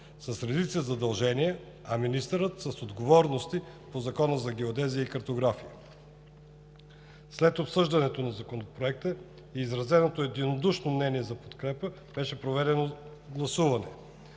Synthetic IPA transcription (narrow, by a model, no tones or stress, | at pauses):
sɐsɾɛd̪it̪səzɐd̪ɐlˠʒɛniɛ | ɐminist̪əɾət̪sɐsod̪ɡovɔɾnost̪i | pozɐkɔnəzɐɡ̟ɛod̪ɛzijəikɐɾt̪oɡɾafiə | slɛt̪opsɤʒd̪ɐnɛt̪onɐzɐkonopɾoɛk̚t̪ə | iːzɾɐzɛnot̪oɛd̪inod̪uʃnomnɛniɛzɐpot̪kɾɛpə | b̥ɛʃɛpɾovɛd̪ɛno | ɡlˠɐsuvɐnɛ̰